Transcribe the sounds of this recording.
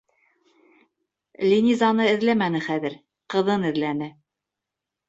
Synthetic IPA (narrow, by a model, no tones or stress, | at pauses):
lʲinʲizɑnɤɘ̆ðlæmænɘχæðɘɾ | qɤ̆ðɤnɘ̆ðlænɘ